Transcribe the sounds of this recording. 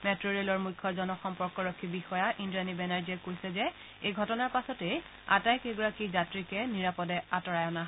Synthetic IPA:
mɛtɹoɹiɛlɔɹmujkʰːɔzɔnɔxɔmpɔɹkɔɹɔkʰːibixɔjaʔindianibɛnaɹd͡ʒiɛkojsɛzɛ | ejɡʱɔtɔnaɹpasɔtej | a̰tajkeɡɔɹakizatɹikɛniɹapɔdɛatɔɹajɔnaɦ

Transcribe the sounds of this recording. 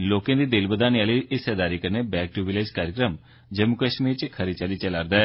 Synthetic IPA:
loːkẽːd̪iːd̪ɪlbəd̪aːnjaːliʔɪsɛːd̪aːɾiːkəɾneːbɛːk̚ʈuːʋɪleːd͡ʒkaːɾjəkɾəm | d͡ʒəmukəʃmiːɾt͡ʃkʰəɾet͡ʃaliːt͡ʃəlaːɾd̪ɛː

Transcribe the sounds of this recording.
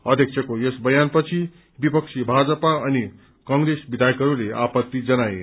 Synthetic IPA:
ʌd̪ʱjekt͡sʰʌkojesbʌjanpʌt͡sʰi | bipʌk̚t͡sʰibʱad͡zʌpaʌni | kʌŋɡɾesbid̪ʱajkʌɾuleʔapʌt̪ːid͡zʌnaje

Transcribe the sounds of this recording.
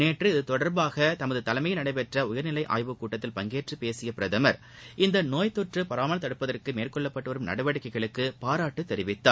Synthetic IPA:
neːʈrɯt̪ɔɽɐɾbaːɣɐt̪ɐmɐðɯt̪ɐlɐɪmɐjɪlnɐɽɐɪpɛʈrɐʊjɐɾnɪlɐɪʔa̰ːjʋɯkːuːʈːɐt̪ːɪlpɐŋɡeːʈrɯpeːsɪjɐpɪɾɐðɐmɐɾ | ɪnd̪ɐnoːjt̪ʊʈrɯpɐɾaːmɐnɐt̪ːɐɽɯpːɐðɐrkɯmeːrkɔɭːɐpːɐʈːɯʋɐɾɯmnɐ̰ɽɐʋɐɽɯkːɐɪɣɐɭɯkːɯpaːɾaːʈːɯt̪ːɛɾɪʋɪt̪ːaː

